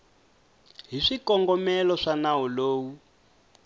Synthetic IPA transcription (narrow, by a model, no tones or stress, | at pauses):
ɦiʂikɔŋɡɔmɛlɔʂanawɔloːwu